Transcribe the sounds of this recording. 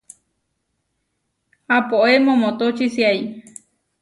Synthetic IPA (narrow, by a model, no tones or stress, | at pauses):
apoʔemõmõt̪ot͡ʃisiai